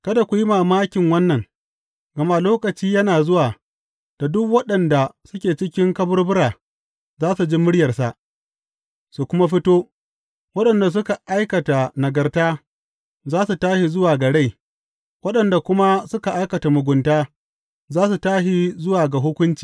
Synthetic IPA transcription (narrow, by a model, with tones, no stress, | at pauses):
kɐ˦da˨kʷu˨ji˦maː˨maː˦kʲɪ˨ŋwɐ˦nːɐ˨ŋ | ɡɐ˨ma˦loː˦kɐ˨t͡ʃiː˦jɐ˦naː˨zʊ˦waː˨ | d̥a˨dʊ˦kwɐ˦ɗɐ˨nda˨sʊ˦kʲeː˨t͡ʃɪ˦kʲɪ˦ŋkɐ˦bʊ˦rbʊ˦ɾaː˨ | zaː˦su˨d͡ʒi˦mʊ˦ɽjɐ˨rsa˨ʔ | su˨kʷʊ˦ma˦ɸɪ˦toː˦ | wɐ˦ɗɐ˨nda˨s̬ʊ˦ka˨ʔa˦jkɐ˨ta˨nɐ˨ɡɐ˨rtaː˦ | zaː˦su˨taː˦ʃi˨zʊ˦waː˨ɡɐ˨ɽe˦j | wɐ˦ɗɐ˨nda˨kʷʊ˦ma˦sʊ˦ka˨ʔa˦jkɐ˨ta˨mʊ˨ɡʷʊ˨ntaː˦ | zaː˦s̬u˨taː˦ʃi˦zʊ˦waː˨ɡa˨ɦʊ˦kʷʊ˦nt͡ʃi̥ː˨